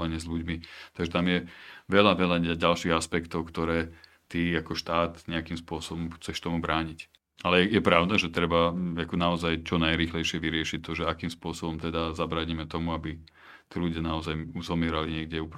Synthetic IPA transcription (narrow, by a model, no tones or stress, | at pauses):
aɲɪɛzʎuɟmit̪aɡʒɛt̪amjɛʋɛlaʋɛʎaaɟalʃiɣaspɛkt̪ɔʊkt̪ɔɾɛː | t̪iakɔʃt̪aːt̪ɲɛakimspʊɔsɔbɔmxt͡sɛʃt̪ɔmubɾaːɲic | alɛjɛjɛpɾaʊd̪aʒɛt̪ɾɛbaakɔnaɔzajt͡ʃɔnajɾiːxlɛjʃɪɛʋiɾɪɛʃic̚t̪ːɔʒɛakiːmspʊɔsɔbɔmt̪ɛd̪azabɾaːɲimɛt̪ɔmuabi | t̪iluɟɪanaɔzajuzɔmɪɛɾaliɲɪɛɡɟɛup